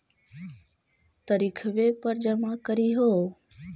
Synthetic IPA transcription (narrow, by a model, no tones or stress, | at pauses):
t̪əɾikʰʋeːpəɾd͡ʒəmakəɾiːɦoː